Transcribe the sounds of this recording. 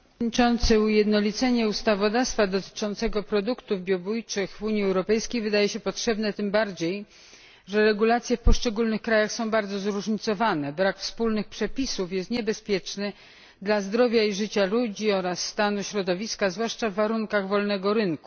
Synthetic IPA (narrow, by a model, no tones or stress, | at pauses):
ɲit͡ʂɔnt̪sɘujɛd̪nɔlʲit̪sɛɲɛust̪avɔd̪afst̪fad̪ɔt̪ɘ̥t͡ʂɔnt̪sɛɡɔpɾɔd̪ukt̪uvbʲjɔbujt͡ʂɘxvuɲjiɛwɾɔpɛjskʲejvɘd̪ajɛɕɛpɔtʂɛbn̪ɛt̪ɘmbaɾd͡ʑej | ʐɛɾɛɡulat̪sʲjɛfpɔʂt͡ʂɛɡulnɘxkɾajaxsɔ̃w̃baɾd̪zɔzɾuʐɲit̪sɔvanɛbɾakfspulnɘxpʂɛpʲisufjɛst̪ɲɛbɛspʲjɛt͡ʂnɘ | d̪lazd̪ɾɔvʲjaiʐɘt͡ɕalud͡ʑiɔɾasːt̪anuɕɾɔd̪ɔvʲiskazvwaʂt͡ʂavːaɾuŋkaɣvɔlnɛɡɔɾɘnku̥